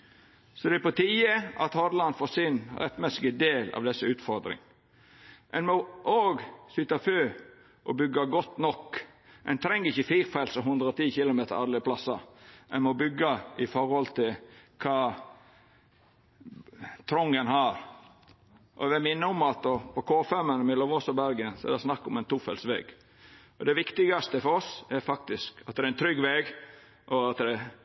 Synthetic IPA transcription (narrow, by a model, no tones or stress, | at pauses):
sɔd̪ɛæpɔt̪ʰiːəʔɑt̪hɔd̪lɑnfɔsɪnɾɛt̪ːmɛsːɪɡəd̪eːlɑ̰ʋd̪ɛsːəʉːt̪fɔɾd̪ɾɪ̰ŋ | ʔɛnmɔʔoːɡsʏt̪ːɑføː | ʔɔbʏɡːɑɡɔt̪ːnɔkː | ʔɛ̰nt̪ʰɾɛŋːəɾɪçːəfiːɾfɑɪlsɔɦʉnd̪ɾəɔt̪ʰiːçɪlʊmeːt̪əɾɑɾləpʰlɑsɑɛnmɔbʏɡːəɪfɔɾhɔlt̪ʰɪlkʰɑː | t̪ʰɾɔŋːənhɑːɾ | ʔɔ̰ʋɛmɪnːəɔmɑt̪ɔpʰɔkʰoːfɛmənəmɛlɔʋɔsɔbæɾɡənsɔɛ̰ɾd̪æsnɑkːʊmɛɪnt̪ʰuːfɛlsʋɛ̰ːɡ̥ | ʔɔd̪ɛʋɪkt̪ɪɡɑst̪əfɔɾɔsɛɾfɑk̚t̪ɪskɑt̪̚d̪ɛɪnt̪ʰɾʏɡːʋeːɡ | ʔɔɑt̪d̪ɛ